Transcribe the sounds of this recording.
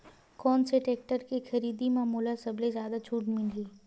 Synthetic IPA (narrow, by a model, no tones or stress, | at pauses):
kɔːnseʈeːk̚ʈəɾkexɐɾiːd̪imaːmuːlasɐblezjaːd̪at͡ʃʰuːʈmɪliː